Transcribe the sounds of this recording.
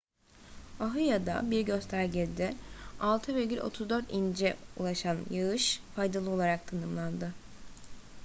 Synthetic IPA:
aɦɯjad̪a̰biɾɟø̞st̪ʰæɾɟɛlʲd̪ɪalˠt̪ʰɯveɾɡɟylʲo̞̰t̪ʰuzd̪ø̞ɾt̪ind͡ʒɛṵlˠaʃanjaɯʃfajd̪alˠɯo̞lˠaɾak̚t̪ʰanɯmlˠand̪ɯ

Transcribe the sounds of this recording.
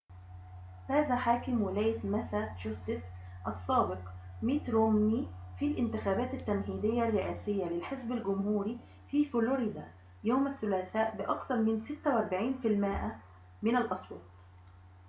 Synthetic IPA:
haːðæħaːkɪmwɪlæːjamæsæd͡ʒɑst̪ɪs | ʔɑsˤːɑːbɪq | miːt̪ɾomnifilʔɪnt̪ɪxæːbæːt̪ɪt̪ːæmɦiːd̪ɪjːarːɪʔæːsɪjːalɪlħɪzbalɡʊmhuːɾi | fiːfʊloɾɪd̪a | joːmaθːʊlæːθaːʔbɪʔɑkt̪ɑɾˤmɪnsɪt̪ːawʔɑɾˤbaʕiːnfilmɪːʔa | mɪnalʔɑsˤwɑːt̪ˤ

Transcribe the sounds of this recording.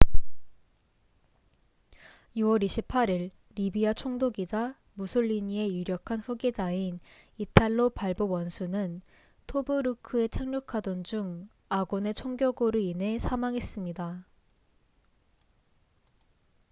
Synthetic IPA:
juwʌɾiɕʰipʰaɾiɭː | ibiat͡ɕʰoŋdoɡid͡ʑa | musʰoʎːiɲie̞juɾjʌkʰanɸuɡed͡ʑain | itʰaɭːopaɭbowʌnsʰunɯn | tʰobɯɾɯkʰɯe̞t͡ɕʰaŋɲokʰadwʌnd͡ʑuŋ | aɡone̞t͡ɕʰoŋɡjʌɡoɾɯinɦe̞sʰamaŋɦe̞s͈ɯmɲida

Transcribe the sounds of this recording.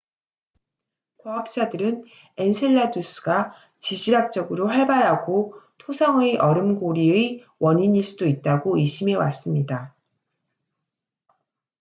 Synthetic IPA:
kwaɦʌp̚t͡ɕ͈adɯɾɯn | ensʰeɭːadus͈ʰɯɡa | t͡ɕid͡ʑʰiɾak̚t͡ɕ͈ʌɡɯɾoɸaɭbaɾɦaɡotʰosʰʌŋɯjʔʌɾɯmɡoɾiɯj | wʌɲiɲiɭs͈udoit̚t͈aɡoɯɕʰimewa̰s͈ɯmɲida

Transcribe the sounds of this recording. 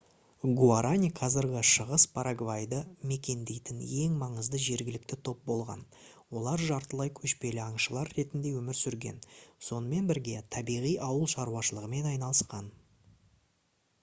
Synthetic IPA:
ɡuaɾʔanʲiqʰɑzɪɾɡʲɪʃəʁəspʰaɾaɡvajd̪əme̞kʲe̞nd̪e̞jt̪ɪnje̞ŋmɑɴəzd̪əʒe̞ɾɡʲɪlɪk̚t̪ɪt̪ʰo̞p̚bo̞lˠʁɑ̰n | wo̞lˠɑɾʒɑɾt̪əlˠɑjkʲʰɵʃpe̞lɪɑɴʃəlˠɑɾːe̞t̪ɪnd̪e̞wɵmɪɾsʏɾɡʲe̞̰nso̞nəme̞nbɪɾɡʲe̞t̪ʰɑbijʁijɑwəlˠʃɑɾuɑʃəlˠəʁəme̞nɑjnɑlˠəsqɑn

